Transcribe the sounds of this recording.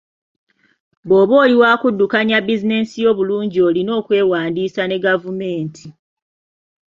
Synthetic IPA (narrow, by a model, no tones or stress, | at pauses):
bo̞ːβoːliwaːkudːukaɲabizine̞sijo̞ːβuluːɲɟio̞lino̞ːkwe̞ːwaːndiːsane̞ɡavume̞ːntʰi